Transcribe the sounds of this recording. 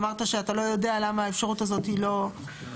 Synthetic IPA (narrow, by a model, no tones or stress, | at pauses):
maʁt̪aʃeatalo̞jo̞dealamaːefʃaʁutazo̞t̪ilo̞